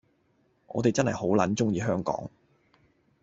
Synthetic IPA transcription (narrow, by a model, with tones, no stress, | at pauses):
ʔɔ̰ː˨˧t̪e˨jt͡sɐ˥nhɐ̰˨jho˨˥wlɐ˨˥nt͡sʊ˥ŋjiː˧ɦœː˥ŋkɔ̰ː˨˥ŋ